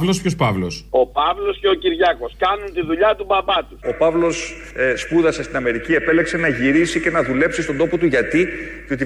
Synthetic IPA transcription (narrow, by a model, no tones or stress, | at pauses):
vlo̞spço̞spɐvlo̞̰so̞pɐvlo̞sce̞ociɾʝɐko̞skɐnunt̪iðuʎɐt̪ubɐpɐt̪uo̞pɐvlo̞s | spuðɐsest̪inɐme̞ɾicie̞pe̞le̞kse̞nɐʝiɾisice̞nɐðule̞psist̪o̞nd̪o̞po̞t̪uʝɐt̪iceo̞t̪i